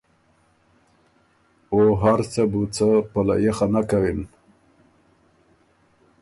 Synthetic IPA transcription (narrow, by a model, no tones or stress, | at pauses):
oɦaɾt͡səbut͡səpala̰jexanakawin